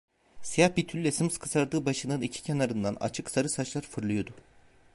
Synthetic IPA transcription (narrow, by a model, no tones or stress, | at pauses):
sijahbit̪ʰylːʲɛsɯmskʰɯsaɾd̪ɯːbaʃɯnɯnicʰi̥cʰenaɾɯnd̪ana̰t͡ʃʰɯksaɾɯsat͡ʃlˠaɾfɯɾlˠujo̞d̪ʊ